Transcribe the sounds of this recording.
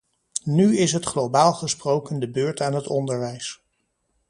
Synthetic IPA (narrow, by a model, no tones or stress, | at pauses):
nyɪsɦətχlowbaːlˠχəsprowkəndəbøːɹtaːnɦətɔndəɹʋɛjs